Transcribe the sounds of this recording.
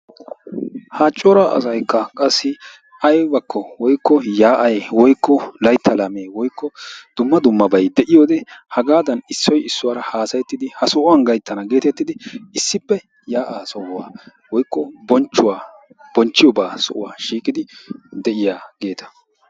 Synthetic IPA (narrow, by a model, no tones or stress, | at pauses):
haːt͡ʃʼːɔɾaʔɐ̰sɐjkːɐkʼɐsːɪ | ɐjbɐkʰːɔwɔjkːɔjaːʔɐjwɔjkːɔlɐjt̪ʰːɐlameːwɔjkːɔd̪̥ʊmːɐd̪ʊmːɐbɐjd̪ɛʔɪjoːd̪ɛhɐɡaːd̪ɐnɪsːɔjɪsːʊwaːɾɐhaːsɐjɛt̪ːɪd̪ɪhɐsɔʔʊwɐnɡɐjt̪ːɐnɐɡe̞ːt̪ɛt̪ːɪd̪ɪɪsːɪpːɛ | jaːʔaːsɔwaː | wɔjkːɔbɔnt͡ʃːʊwaː | b̥ɔnt͡ʃːɪjɔbaːsɔʔʊwa̰ːʃiːkʼɪd̪ɪd̪ɛʔɪjaːɡ̥e̞ːt̪ʰɐ̥